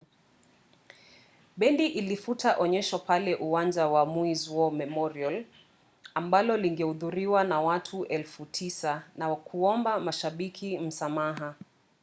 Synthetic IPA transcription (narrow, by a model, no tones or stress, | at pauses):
ɓɛndiʔilifutaʔɔɲɛʃwapalɛʔuwand͡ʒawamuizwɔmɛmɔɾial | ambalɔliŋɡɛhuðuɾiwanawatʰuʔɛlfutʰisanawakʰuɔmbamaʃaɓikʰim̩samaɦa